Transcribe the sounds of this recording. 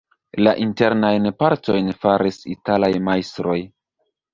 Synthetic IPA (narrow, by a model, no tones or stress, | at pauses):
laʔinte̞ɾnajnpaɾto̞jnfaɾisitalajmajstɾo̞j